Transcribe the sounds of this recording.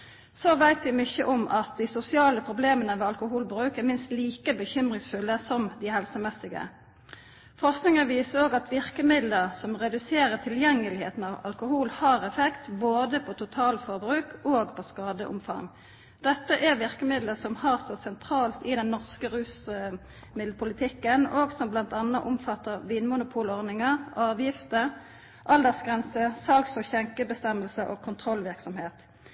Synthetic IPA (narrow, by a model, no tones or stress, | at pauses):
soːʋæɪt̪ʋɪmʏçəʔʊmʔɑt̪̚d̪isʊsɪɑːləpʰʁʊbleːmənəʋeːɑlkʊɦuːlbʁʉːkɛɾmɪnst̪liːkəbəçʏmʁɪŋsfʉlːəsɔmd̪ɪhɛlsəmɛsːɪɡə̰ | fɔʁsknɪŋənʋiːsəʁoːɡɑt̪ʋɪʁkəmɪd̪ləʁsɔmʁɛd̪ʉseːɾət̪ʰɪljɛŋːəlɪhḛːt̪n̩ɑʋɑ̰lkʊhuːlhɑːʁɛfɛkt̪boːd̪əpʰɔt̪ʰʊt̪ʰɑːlfɔʁbʁʉːkoːɡpʰɔskɑːd̪əʔʊ̰mfɑ̰ŋ | d̪̥ɛt̪ːəʔɛʁʋɪʁkəmɪd̪ləsɔmhɑʁsɔsɛnt̪ʰɾɑːlt̪ɪd̪ɛnːɔʁskəʁʉːs | mɪd̪l̩pʰʊlɪt̪ʰɪkːənoːɡsɔmblɑnt̪ɑnːəʔʊmfɑt̪ːəʁʋiːnmʊnʊpʰuːlɔʁd̪nɪŋəʁɑːʋjɪft̪ə | ʔɑld̪ɛʁsɡʁɛnsəsɑlksɔçɛŋkəbəst̪ɛmːəlsəʔoːɡkʰʊnt̪ʰʁɔlʋɪʁksɔmheːt̪